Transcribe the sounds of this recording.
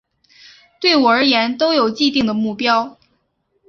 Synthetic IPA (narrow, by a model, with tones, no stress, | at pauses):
t̪we˥˩ɪwɔ˨˩ə˞˧˥jɛ˧˥nt̪o˥ʊjo˨˩ʊt͡ɕi˥˧t̪i˥˩ŋd̪ə˩mu˥˩pjɑ˥ʊ